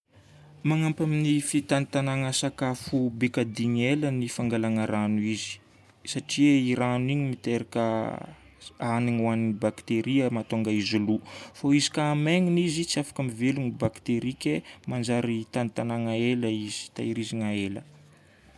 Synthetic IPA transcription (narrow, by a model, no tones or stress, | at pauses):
maŋampaminifit̪anit̪anaŋəsakafubekad̪iɲelənifaŋɡalanəɾanuizi̥ | saʈ͡ʂieiɾaniɲimit̪eɾakə | aniŋuaniibakt̪eɾiəmat̪oŋɡaizulufoizi̥kaːmeŋinizit͡siafḁkamivelunibakt̪eɾikʲemand͡ʒaɾit̪anit̪anaŋaeləiz̥i̥t̪a̰iɾiziŋaelə̰